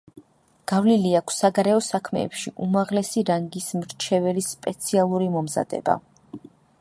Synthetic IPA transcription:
ɡ̥avliliakʰsːaɡaɾɛɔsakʰmɛ̰ːpʃiʔumaʁlɛsiɾaŋɡismɾt͡ʃʰɛvɛlispʼɛt̪sʰialˠuɾimɔmza̰d̪ɛ̰ba̰

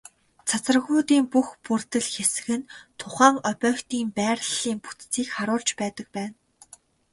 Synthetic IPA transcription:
t͡sʰat͡sə̆rɣʊːt̪iːmpuxpurt̪ɘ̆ɮxesɘ̆ɣɘ̆nt̪ʰʊχæːŋœpʲœːxt̪iːmpæːrɮiːmput̪t͡siːkχaɾʊːɮt͡ɕpæːt̪ə̆k̚pæːn

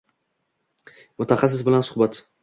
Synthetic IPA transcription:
mʊt̪ʰaχɑsːɪzbɪlansʊhbat̪

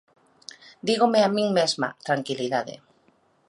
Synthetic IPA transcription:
d̪iɣomeamĩŋmezma̰t̪ɾaŋkiliðaðḛ

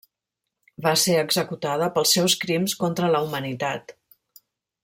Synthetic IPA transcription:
baseəɡzəkut̪að̞əpəlˠsːɛwskɾimskont̪ɾələumənit̪at̪

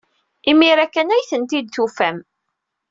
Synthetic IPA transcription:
imiɾækːænæjθənt̪id̪θufæm

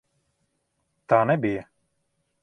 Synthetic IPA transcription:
t̪aːnɛbijə

